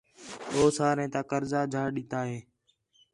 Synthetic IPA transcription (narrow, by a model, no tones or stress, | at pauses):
oːsaːɾẽːt̪aːkəɾzaːd͡ʒʱaːɗɪːt̪aːɦeː